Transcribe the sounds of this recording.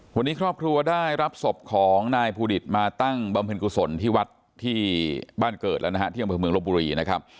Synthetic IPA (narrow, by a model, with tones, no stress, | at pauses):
wa˧nːiː˦˥kʰɾɔː˥˩p̚kʰɾu˧ɐdaː˥˩jɾa˦˥p̚so˨˩p̚kʰɔː˩˦ŋnaː˧jpʰuː˧di˨˩t̪̚maː˧t̪a˥˩ŋba˧mpʰɤː˧nku˧˩so˩˦nt̪ʰiː˥˩wa˦˥t̪ʰːiː˥˩baː˥˩nkɤː˨˩t̪̚lɛ˦˥na˦˧ɦa˦˥t̪ʰiː˥˩˨a˧mpɤː˧mɯ˧əŋo˦˥p̚buː˧ɾiː˧na˦˥kʰa˦˥p̚